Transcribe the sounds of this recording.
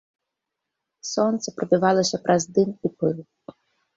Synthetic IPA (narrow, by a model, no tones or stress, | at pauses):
sɔnt̪sɛpɾɔbʲɪʋɑlˠɪsʲɐpɾʔɐzd̪ɪnipɪlˠ